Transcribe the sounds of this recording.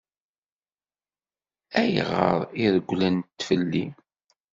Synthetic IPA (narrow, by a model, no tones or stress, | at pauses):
æj̰ʁə̰ɾˤiðəɡʷːlænt̪ːfəlːi